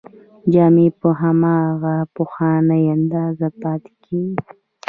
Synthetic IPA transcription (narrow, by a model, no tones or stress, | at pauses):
d͡ʒɑːmepəɦamɑːɣapoxɑnəjand̪ɑːzapɑːt̪kʰi